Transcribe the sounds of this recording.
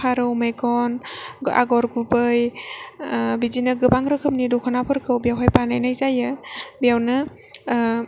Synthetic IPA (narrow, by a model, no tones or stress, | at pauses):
aɾɯwmejɡɔnɡʔa̰ɡɔɾɡubɯj | bizinɯɡɯbaŋɾɯkʰɯm̚nidɔkʰɯnapʰɯɾkʰɯwbijawɦajpanajnajzajɯbijawnɯ